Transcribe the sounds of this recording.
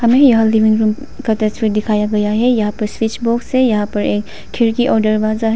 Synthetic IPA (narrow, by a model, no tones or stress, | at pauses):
hɐmejaɦalːiʋiŋɾum | kat̪ɐswiɾd̪ikʰajaɡɐjaɦɛjɐɦãpɐɾswit͡ʃbɔksejɐɦãpɐɾek | kʰːiɾkiʔɔɾɖəɾbazaɦ